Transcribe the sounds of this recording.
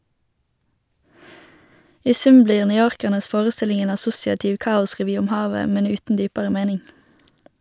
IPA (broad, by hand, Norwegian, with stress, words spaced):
ˈiː ˈsʉm ˈbliːʁ nʏˈjoːʁkəʁnəs ˈfoːʁəˌstɪlɪŋ ˈeːn ɑˈsʊsɪɑtɪʋ ˈkɑːʊsʁɛˌʋyː ˈʊm ˈhɑːʋə ˈmɛn ˈʉːtn̩ ˈdyːpəʁə ˈmeːnɪŋ